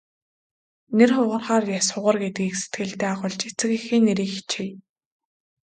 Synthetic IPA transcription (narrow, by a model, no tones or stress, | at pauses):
nerχʊʁə̆rχaːrjasʊʁə̆rɡet̪̚ɡiːkse̥t̪̚ɡɘ̆ɮt̪eːaχʊɮt͡ɕet͡sɘ̆kexiːnːeɾiːkxi̥t͡ɕʰij